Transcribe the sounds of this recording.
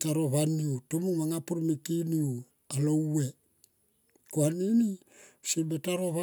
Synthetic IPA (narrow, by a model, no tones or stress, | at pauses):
taɾo̞βaniutomumaŋapuɾmekiniu | alo̞we | koanini | sibetaɾo̞βa